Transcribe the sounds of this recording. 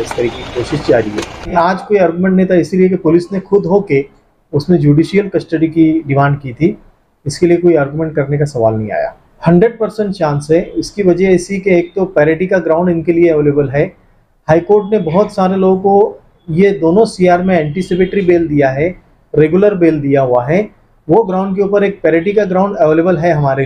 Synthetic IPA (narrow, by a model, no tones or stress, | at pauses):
ɪsk̪ɐɾikeikoːʃɪʃd͡ʒaːɾiḛːaːd͡ʒkoːiaːɾɡumẽɳʈnɐɦĩt̪ʰaɪsiliek̬epʊlɪsnexʊd̪ɦoːke | ʊsnẽd͡ʒuːɖiːʃijəlkɐsʈəɖikiɖɪmãːɳɖkit̪ʰi | ɪskeliekoːiaːɾɡumẽɳʈ̚kɐɾnekasɐʋa̰ːlnɐɦĩa̰ːja̰ː | hɐ̃ɳɖɾəɖ̚pɐɾsə̃ɳʈʃãːnsɦɛɪskiʋɐd͡ʒɛɛːsikeeːk̚t̪opɛːɾeːʈikaɡɾãːʊɳɖɪnkelieɛʋeːleːbəlɦɛ | haːikoːɾʈnebɐɦɔt̪saːɾeloːɡõko | jed̪oːnõsiːaːɾmẽɛ̃ːɳʈisɪp̬eːʈɾibeːld̪ijaɦɛ | ɾeːɡuləɾbeːld̪ijaɦuaɦɛ | ʋoɡɾãːʊ̃ɳɖk̬euːpəɾeːk̚pɛːɾeːʈikaɡɾãːʊ̃ɳɖɐʋeːleːbəlɦɛɦɐmaːɾe